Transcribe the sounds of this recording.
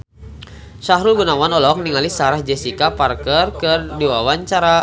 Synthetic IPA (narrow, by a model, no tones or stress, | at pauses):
saɦɾulɡunawanɔlɔk̚niŋalisaɾahd͡ʒɛsikaparkərkɨrdiwawaɲt͡ʃaɾa